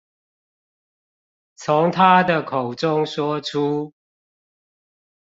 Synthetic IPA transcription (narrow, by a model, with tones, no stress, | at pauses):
t͡sʰʊ˨˦ŋt̪ʰa˦d̪ə˨kʰo˨˩ʊʈ͡ʂʊ˦ŋʂwɔ˥ʈ͡ʂʰu˦